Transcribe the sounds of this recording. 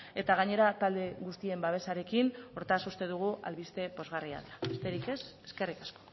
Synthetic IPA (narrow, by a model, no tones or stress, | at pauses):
e̞t̪aɣ̞aɲe̞ɾat̪ald̪e̞ɣust̪ie̞mbaβ̞e̞saɾe̞kino̞ɾt̪asust̪e̞ð̞uɣ̞uʔa̰lβist̪e̞po̞zɣaria̰ðeɾaest̪e̞ɾike̞se̞ske̞rikasko̥